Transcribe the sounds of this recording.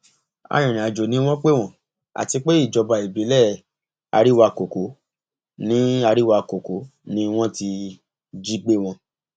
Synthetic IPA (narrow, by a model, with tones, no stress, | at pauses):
a̰˧j̃ĩ˨nĩ˨a˨d͡ʒo˨nĩ˦w̃ɔ̃˦k͡pe˦w̃ɔ̃˦˨ | a̰˨ti˧k͡pe˦i˦˨d͡ʒɔ˨˧ba˨i˨bi˨˦lɛ˦˨ | a̰˧ɾi˦wa˧ko˨ko˨˦ | nĩ˦a˧ɾi˦wa˧ko˨ko˨˦nĩ˦w̃ɔ̃˦ti˧ | d͡ʒi˦k͡pe˦w̃ɔ̃˧